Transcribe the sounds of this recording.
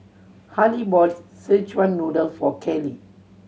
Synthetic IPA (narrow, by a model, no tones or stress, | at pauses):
halibɔtsət͡ʃwãnːodəlfɔkʰɛli